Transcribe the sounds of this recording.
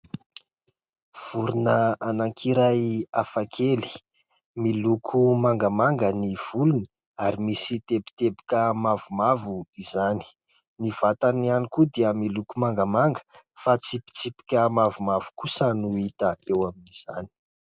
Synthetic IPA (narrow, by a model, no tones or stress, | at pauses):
v̥uɾunəanaŋkʰiɾajafakʰeli̥ | milukʰumaŋɡamaŋɡəniv̥uluni | aɾimisit̪epi̥t̪ebi̥kəmavumavuizani̥ | niv̥at̪anianikud̪iəmilukumaŋɡəmaŋɡə̥fat͡sipi̥t͡sipi̥kʲəmavumav̥u̥kusənuit̪əʔewaminiz̥a̰ni̥